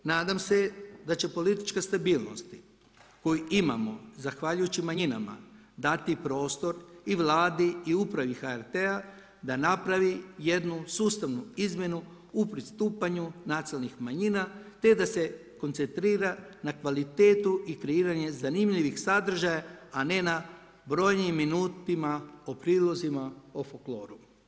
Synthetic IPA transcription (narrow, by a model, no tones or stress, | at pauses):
naːd̪amse̞d̪at͡ɕe̞po̞lit̪i̥t͡ʃkast̪abiːlˠno̰st̪i | ko̞juima̰mo̞zaxʋaʎujut͡ɕimaɲina̰ma̰ | d̪at̪ipɾo̞ːst̪o̞ɾiʋlˠaːd̪iiupɾaʋixaeɾt̪ea | d̪anapɾaʋije̞d̪nusuːst̪aʋnuizmje̞nu | upɾist̪uːpaɲunat̪salnixmaɲinat̪e̞d̪ase̞ | ko̞nt̪se̞nt̪ɾiːɾanakʋalit̪e̞ːt̪uikɾeiːɾaɲe̞zanimʎiʋixsad̪r̩ʒajaane̞na | bɾo̞jnimːinuːt̪imaopɾiːlˠo̞zimaofoklo̞ːɾu